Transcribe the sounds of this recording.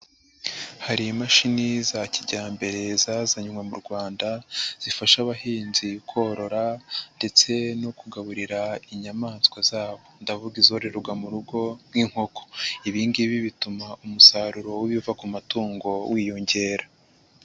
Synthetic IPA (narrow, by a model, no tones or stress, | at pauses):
haɾimaʃinizaciɟaːmbe̞ɾe̞zazaɲumwemuɾɡwaːndaz̥ifaʃaβaɦiːnzikʰo̞ɾo̞ɾande̞t͡se̞nokuɡaβuɾiɾaiɲamaːnskwazaːβo̞ndavuɡizoɾe̞ɾuɡamuɾuɡoŋiŋ̥ho̞kʰo̥iβiːnɡiβiβitumaumusaɾuɾo̞wiβiuvakumatuːŋɡo̞wiːjo̞ɲɟe̞ːɾa